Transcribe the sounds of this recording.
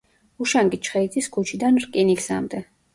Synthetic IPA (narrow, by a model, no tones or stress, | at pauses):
uʃaŋɡit͡ʃʰχɛid̪ʼiskʰut͡ʃʰid̪anɾkʼiniksa̰md̪ɛ